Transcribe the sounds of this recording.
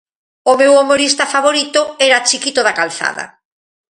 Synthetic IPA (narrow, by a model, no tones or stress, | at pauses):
omewomoɾist̪afaβoɾit̪ʊɛɾat͡ʃikit̪oðakalθa̰ðɐ̰